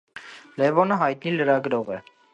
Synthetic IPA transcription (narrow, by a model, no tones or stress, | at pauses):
lɛvɔnəɦɑjt̪niləɾɑɡəɾɔʁɛ